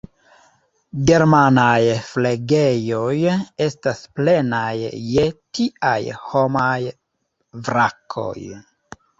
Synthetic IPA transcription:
ɡe̞ɾmanajfleɡe̞jo̞je̞stasple̞najːetia̰jhomaj | vɾakʰo̞̰j

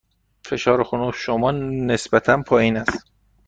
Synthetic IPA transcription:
fe̞ʃɒːɾexonuʃomɒːne̞sbæt̪ʰænpʰɒːjiːnæst̪

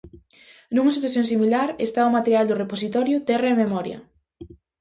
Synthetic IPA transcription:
nuŋɐsit̪waθjõŋs̬imilaɾest̪aʊmat̪eɾjald̪ʊreposit̪ɔɾjʊt̪ɛraememɔɾjɐ̰

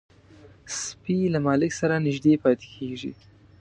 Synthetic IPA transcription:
spilamɑlɪksaɾanɪʒd̪epɑt̪e̥kʰeʐḭ

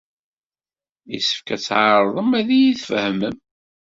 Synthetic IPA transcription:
isə̥fkæt͡sːʕɑɾˤðˤəmæðijiθfəhməm

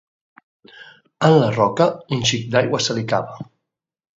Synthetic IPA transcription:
ənlarɔkəinʲʃik̚d̪ajɣwasəlikaβa

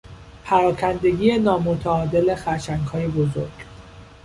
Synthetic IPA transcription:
pʰæɾɒːcʰænd̪e̞ɡiːje̞nɒːmot̪ʰæɒːd̪e̞le̞xæʃæŋɡhɒːjebozo̞̰ɾɡ̥

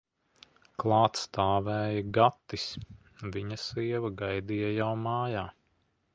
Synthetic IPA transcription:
klˠɑːt̪st̪aːvɛːjɐɡat̪ːis | viɲɐsiɛvɐɡajd̪ijajawmaːjaː

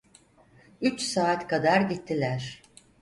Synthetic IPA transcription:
yt͡ʃsaːt̪kad̪aɾɟit̪ʰːilʲæɾ̥

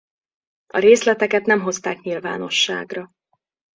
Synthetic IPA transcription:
ɒɾeːslɛt̪ɛkɛt̪nɛmɦo̞st̪aːkɲilva̰ːno̞ʃːa̰ːɡrɒ

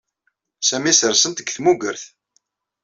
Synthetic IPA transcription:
sæmisəɾsənt̪əɡθmuɡəɾθ

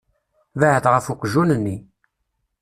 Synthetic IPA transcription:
vəʕəθʁəfuqʒunənːi

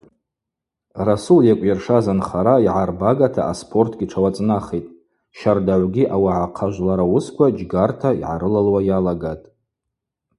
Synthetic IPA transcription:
rasuljakʷʼjarʂazanχaɾaiʕarbaɡatʰa̰ʔaspʰo̞rtʰɡʲiʈ͡ʂʰawat͡sʼnaχejtʼ | ʃardaʕʷɡʲiʔawaʕaqʰaʒʷlaɾawʊskʷʰad͡ʒɡartʰaḭʕa̰ɾɨlalwajalaɡatʼ

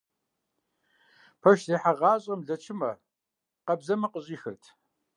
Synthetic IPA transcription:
pʰɐʃzeːħaʁɑːɕʼɐmɮɐt͡ʃʰɪmɐ | qɐbzɐmɐqəɕʼiːxɨ̰rtʰ

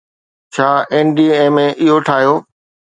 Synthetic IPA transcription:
t͡ɕʰaːeːnɖiːeːmẽʔɪɦoʈʰaːɦijoː

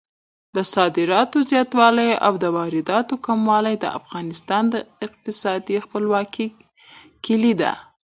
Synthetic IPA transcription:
d̪əsɑd̪ɪɾɑt̪ozjɑt̪wɑlaja̰wd̪əwɑɾɪd̪ɑt̪okamwɑlajd̪ə̰a̰fɣɑnɪst̪ɑnd̪əɪq̚t̪ɪsɑd̪ixpəlwɑki | kɪlid̪a̰

